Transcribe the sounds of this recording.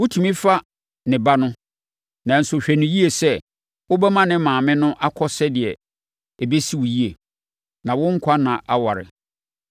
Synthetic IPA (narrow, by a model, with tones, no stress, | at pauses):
wʊ˦tʰũ˨mĩ˦fa˦ | nɪ̃˨ba˦nʊ̃˦ | nã˨n̩˨sʊ˨ɕᶣɛ˨nʊ̃˨ji˦e˨sɛ˦ | wʊ˦bɛ˦mã˦nɪ̃˦mãː˨mɪ̃˦nʊ̃˦ʔa˦kʰɔ˦sɛ˦dɪ˨ɛ˨ | e˨be˦si˦wʊ˨ji˦e˨ | nã˨wʊ̃˦ŋ̩˦kʷʰa˦nã˨ʔa˦wa˨ɾɪ̰˨